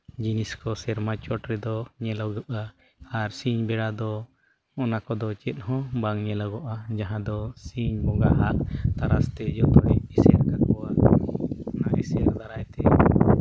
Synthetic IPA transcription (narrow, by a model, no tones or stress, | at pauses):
d͡ʒiniskɔsɛɾmat͡ʃɔʈɾɛd̪ɔɲɛlɔɡəp̚a | aɾsiɲbɛɽad̪ɔ | ɔnakɔd̪ɔt͡ʃɛt̪̚ˀhɔ̃baŋɲɛlɔɡɔʔad͡ʒaɦãd̪ɔsiɲbɔɡaɦaʔt̪aɾast̪ɛd͡ʒɔt̪ɔɽɛɛsɛaɾkakɔwa | ɔnaʔɛ̰sɛjaɾd̪aɾajt̪ɛ